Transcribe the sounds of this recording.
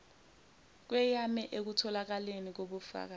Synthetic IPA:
k̬wɛjamɛʔek̬utʰɔlak̬alenik̬oɓufa̰k̬a

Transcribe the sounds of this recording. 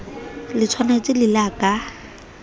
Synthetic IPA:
lɪt͡sʰwanet͡sɪlɪlakʼa

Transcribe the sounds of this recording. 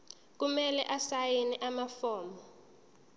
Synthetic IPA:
k̬umɛlɛʔasajinɛʔamafɔːmbɔ

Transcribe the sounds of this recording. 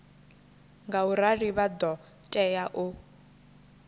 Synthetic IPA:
ŋɡauɾariβad̪ɔ | tʼɛjaʔʊ

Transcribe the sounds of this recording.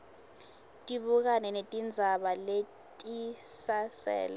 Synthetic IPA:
tʼiɓuk̬anɛnetʼind͡zʱaɓale | tʼisasɛ̰ːla

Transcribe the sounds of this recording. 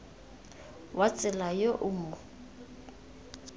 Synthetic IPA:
wat͡sʼɪlajoʔʊmʊ

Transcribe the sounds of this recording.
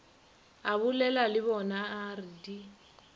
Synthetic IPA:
aβulɛlalɪβɔnaːridi

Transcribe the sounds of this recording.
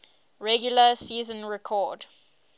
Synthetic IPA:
ɹɛɡjuləsiːzə̃nɹɛkʰɔd

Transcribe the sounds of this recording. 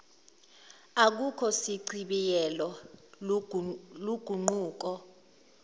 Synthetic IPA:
ak̬ukʰɔsiǀiɓijɛlɔ | luɡ̥ʱuŋ͡ǃuːk̬ɔ

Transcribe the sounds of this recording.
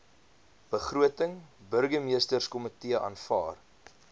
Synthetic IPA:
b̥əχruətəŋbərɡəmiəstərskɔmətiəʔɑ̰ːnfɑ̰ːr

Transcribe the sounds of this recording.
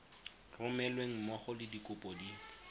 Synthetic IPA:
rʊmɛlweŋ̩mɔχɔlɪdikʼʊpʼɔdiː

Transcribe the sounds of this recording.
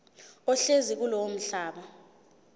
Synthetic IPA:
ɔɬezik̬ulɔm̩ɬaːɓa

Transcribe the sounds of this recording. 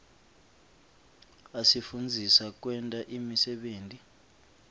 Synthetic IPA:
asifund͡zʱisak̬ʼwɛntʼaʔimisɛɓeːntʼi

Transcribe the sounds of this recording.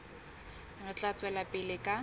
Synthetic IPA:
rʊt͡ɬʼat͡sʼwɛlapʼɪlɪkʼa

